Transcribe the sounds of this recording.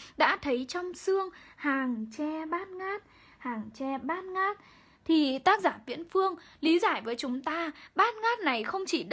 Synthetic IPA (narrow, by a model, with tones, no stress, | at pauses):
ɗa̰ː˧˥t̪ʰə˨˦jt͡ɕɔ˧wŋ͡msɨ˧əŋhaː˨˩ŋt͡ɕɛ˧ɓaː˦˥t̚ŋaː˦˥t̚ | haː˨˩ŋt͡ɕɛ˧ɓaː˦˥t̚ŋaː˦˥t̚ | t̪ʰi˨˩t̪aː˦˥k̚zaː˧˩vwḭ˧˥ənfɨ˧əŋ | li˨˦zaː˧˩jvəː˨˦jt͡ɕʊ˨˦ŋ͡mt̪aː˧ɓaː˦˥t̚ŋaː˦˥t̚na˨˩jxə˧wŋ͡mt͡ɕi˧˩ɗ